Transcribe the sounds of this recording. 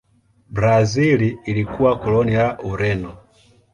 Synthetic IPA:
bɾaziliːlikuwakɔlɔnijaʔuɾɛnɔ

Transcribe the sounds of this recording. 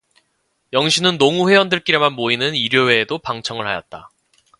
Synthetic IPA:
jʌŋɕʰinɯnːoŋuɸwe̞ʌndɯɭk͈iɾemanmoinɯniɾjowe̞ːdopaŋt͡ɕʰʌŋɯɭhajʌ̰t̚t͈a̰

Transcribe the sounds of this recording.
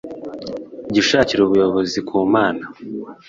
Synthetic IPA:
ɟiʃaːciɾuβujo̞βo̞zikuːmaːna

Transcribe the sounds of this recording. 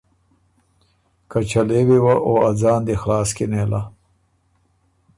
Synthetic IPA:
kat͡ʃalewewaʔoad͡zɑːnd̪exlɑːskenela

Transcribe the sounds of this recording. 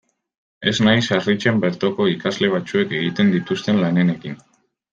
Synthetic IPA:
e̞znajsarit͡ʃe̞mbe̞ɾt̪oko̞ikazle̞β̞at͡sue̞ke̞ɣit̪e̞nd̪it̪ust̪e̞nlane̞ne̞kin

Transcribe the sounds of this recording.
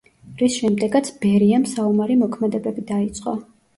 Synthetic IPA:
ɾisʃɛmd̪ɛɡat̪sʰbɛɾiɛmsaumaɾimɔkʰmɛd̪ɛbɛbid̪ait̪sʼqʼɔ

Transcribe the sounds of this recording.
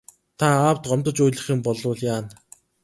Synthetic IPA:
t̪ʰaaːwt̪ɢɔmt̪ɞ̆t͡ɕujɮə̆χĭmpɔɮʊːɮjaːn

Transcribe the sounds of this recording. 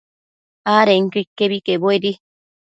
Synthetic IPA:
aːɾeŋkikːeβikeboeɾi

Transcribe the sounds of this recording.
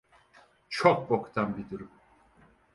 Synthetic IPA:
t͡ʃʰok̚bokt̪ʰanbid̪uɾum

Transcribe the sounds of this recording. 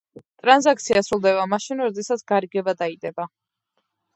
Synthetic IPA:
t̪ʼɾanzak̚ʰt̪sʰiasɾulˠd̪ɛβamaʃinɾɔd̪ɛsat̪sʰɡ̥aɾiɡɛbad̪aid̪ɛba

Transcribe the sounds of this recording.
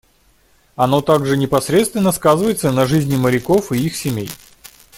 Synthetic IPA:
ɐnot̪aɡʐɨnʲɪpɐsɾʲe̞t̪st̪vʲɪnːəskazɨvəjɪt̪sənɐʐɨzʲnʲɪməɾʲɪko̞fɨixsʲɪmʲej

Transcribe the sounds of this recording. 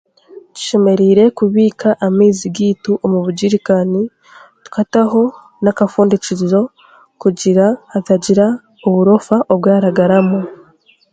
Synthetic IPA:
ci̥ʃe̞me̞ɾiːɾe̞kuβiːkʰaʔamiːziɡiːtuʔomuβuɟiɾikani | tu̥kataɦo̞ | nakafuːndicizo̞ | kuɟiɾaːtaɟiɾa | oβuɾo̞faʔoβɡaːɾaɡaɾamo

